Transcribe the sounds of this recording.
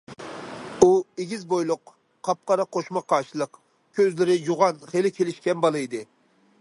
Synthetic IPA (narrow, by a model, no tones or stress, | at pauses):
ueɡʲizbojlˠʊq | qʰːɑp̚qɑɾɑqʰoʃmɑqʰːɑːʃilˠəq | kʲʰøzlɪɾɪjoʁɑnχelɪkʲʰelɪʃkʲɛnbɑlˠɨjd̪ɨ